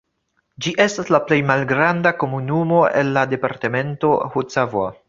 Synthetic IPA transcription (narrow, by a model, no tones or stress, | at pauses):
d͡ʒiʔe̞staslaple̞jmalɡɾandako̞munumo̞ʔe̞̰nːade̞paɾteme̞nto̞hut͡savoa